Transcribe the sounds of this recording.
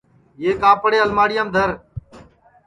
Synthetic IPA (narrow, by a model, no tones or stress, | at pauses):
eːkaːpɽeːəlmaːɽɪjãːmd̪ʱəɾ